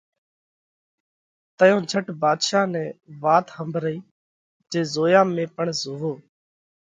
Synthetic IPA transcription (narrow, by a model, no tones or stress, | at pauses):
t̪əjõːd͡ʒʱəʈbaːd̪ʃaːnɛ̃ːʋaːt̪həmbʱɾəiː | d͡ʒeːzoːjãːmẽːpəɳzoːʋoː